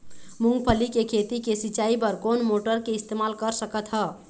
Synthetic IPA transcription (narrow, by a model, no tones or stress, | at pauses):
muŋɡpʰəlikekʰet̪ikesit͡ʃaipəɾkonmoʈəɾkeist̪emalkəɾsəkət̪ɦə